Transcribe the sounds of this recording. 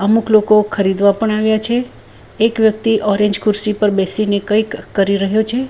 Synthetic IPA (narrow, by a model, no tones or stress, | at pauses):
əmukʰlokokʰəɾid̪ʋapəɳaʋjat͡ʃʰeː | kʋjək̚t̪iʔɔɾẽɲd͡ʒkuɾsipəɾbɛsinekəjkːəɾiɾəɦjot͡ʃʰe